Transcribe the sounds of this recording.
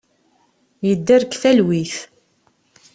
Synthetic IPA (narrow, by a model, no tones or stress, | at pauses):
jəd̪ːæɾkːθælwiθ